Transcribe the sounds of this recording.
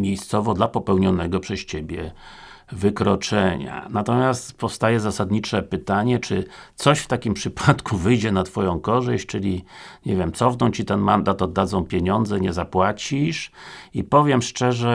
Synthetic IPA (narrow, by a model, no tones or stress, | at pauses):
mʲjejst̪sɔvɔd̪lapɔpɛwɲɔnɛɡɔpʂɛst͡ɕebʲjɛ | vɘkɾɔt͡ʂɛɲa̰nat̪ɔmʲjast̪pɔfst̪ajɛzasad̪ɲit͡ʂɛpɘt̪aɲɛt͡ʂɘt̪sɔɕft̪akʲimpʂɘpʰat̪kuvɘjd͡ʑɛnat̪fɔjɔ̃w̃kɔʐɘɕt͡ɕt͡ʂɘlʲiɲevʲjɛmt̪sɔvnɔ̃w̃t͡ɕit̪ɛnmand̪at̪ɔd̪ːad̪zɔ̃w̃pʲjeɲɔnd̪zɛɲɛzapwat͡ɕiʂipɔvʲjɛmʂt͡ʂɛʐɛ